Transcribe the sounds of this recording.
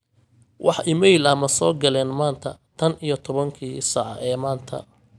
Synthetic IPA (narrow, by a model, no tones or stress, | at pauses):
wʔɑħɪmɛjlɐmɐsɔːɡɐlɛːnmaːnt̪ʰɐt̪ʰɐnijɞt̪ʰɔβɐŋkʰiːsɑʕɑ̰ʔɛːmaːnt̪ʰɐ̰